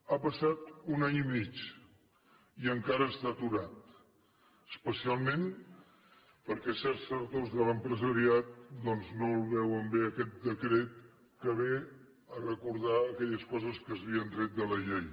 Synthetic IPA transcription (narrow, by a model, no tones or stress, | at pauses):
apəsat̪unaɲimit͡ʃ | iəŋkaɾəːst̪at̪uɾat̪ | əspəsialˠmẽn | pəɾkɛsɛɾsəɾt̪ozðələmpɾəzəɾiat̪̚d̪ɔnznolˠβɛwəmbeəkɛt̪̚d̪əkɾet̪̚ | kəβe | ərəkuɾðaəkɛʎəskɔzəskəzβiənd̪ɾɛt̪̚d̪ələʎej